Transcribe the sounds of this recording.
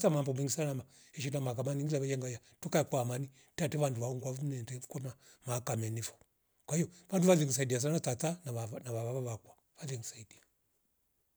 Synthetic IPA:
tamambɔmɛŋɡisanama | ɛʃ̬inamakamaniŋɡilaβajɛŋɡajatukaɛkwamani | tatɛʋanduβauŋɡwaumnɛtɛkɔna | makamɛnifɔ̥ | kwaijɔʋanduʋalɛŋis̬aidias̬anatatananaβaβaβaβakwa | valɛŋisaidia

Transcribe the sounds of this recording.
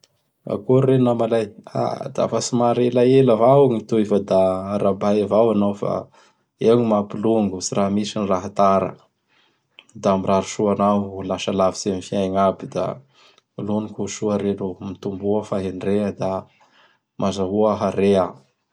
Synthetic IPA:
a̰kuːenamalaja̰d̪a̰fasimaɾelaeləvawŋit̪uivad̪aɾabajavawanawfa̰ | eɲimapiluŋɡusiramisinraɦat̪aɾə̰ | d̪aamiɾaɾuʃuanaɦlaʃalavisemifiajŋabid̪a̰ | lonikuʃuəɾenumit̪umbuəfaɦeɳɖ͡ʐeəd̪a | mʔazaɦuaɦaɾea

